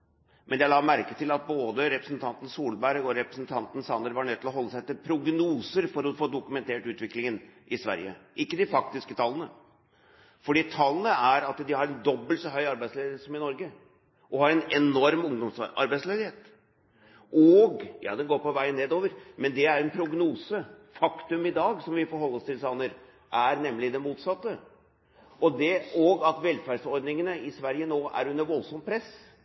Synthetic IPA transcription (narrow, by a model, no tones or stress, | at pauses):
mʔɛnjæɪlɑːmæɾkət̪ʰɪlɑt̪̚boːd̪əɾɛpɾəsnt̪ʰɑnt̪n̩suːlbæɾɡɔɾɛpɾəsnt̪ʰɑnt̪n̩sɑnd̪əɾʋɑɳœt̪ʰːɪlɔɦɔlːəsæɪt̪ːɪpʰɾʊɡnuːsəɾfɔɾɔfoːd̪ʊkʉmɛnt̪ʰeːʈʉːt̪ʋɪklɪŋənʔɪsʋæ̰ɾjə̰ʔɪkːəd̪ɪfɑk̚t̪ɪskət̪ʰɑlːənə | fɔɖiːt̪ʰɑlːənəæɾɑt̪d̪ɪhɑɾɛnd̪ɔbːəlt̪sɔɦœʏɑɾbæɪsleːd̪ɪheːt̪sɔmɪnɔɾɡə | ʔɔhɑɾɛnɛnɔɾmʊŋd̪ɔmsɑ̰ɾbæɪsleːd̪ɪheːt̪ | ʔɔɡjɑ̰ːd̪ɛnɡoːɾpɔʋæɪənːeːd̪oːʋəɾmɛnd̪ɛæɾɛnpʰɾʊɡnuːsəfɑkt̪ʉmɪd̪ɑːɡsɔmʋɪfɔɾɦɔlːɔst̪ʰɪlsɑnəɾ | ʔæɾnɛmːlɪd̪ɛnmuːt̪sɑt̪ːə | ɔd̪ɛɔɡɑt̪ʋɛlfæɖsɔɾd̪nɪŋənəɪsʋæɾjənoːʔæ̰ɾʉnːəɾʋɔlsɔmt̪pʰɾɛs